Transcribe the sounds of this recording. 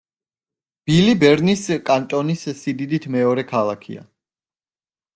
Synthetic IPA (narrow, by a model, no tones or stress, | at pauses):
b̥ilibɛɾniskʼant̪ʼɔnissid̪id̪it̪ʰmɛɔɾɛkʰalˠakʰḭa̰